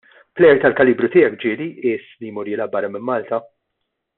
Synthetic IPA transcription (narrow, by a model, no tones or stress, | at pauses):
plɛjɛɾt̪ɐlkɐliːbɾʊt̪ɪːjɛkd͡ʒɪːliʔɪːslijmuːɾiːlɐbɐɾɐmɪmːɐːlt̪ɐ